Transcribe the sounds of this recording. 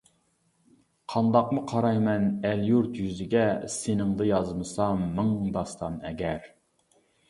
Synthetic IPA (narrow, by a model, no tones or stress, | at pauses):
qʰɑnd̪ɑqmʊqʰɑɾɑjmɛnæljuɾt̪jyzɪɡʲɛsenɪŋd̪ɨjɑzmɨsɑmːɨŋd̪ɑst̪ɑmɛɡʲɛɾ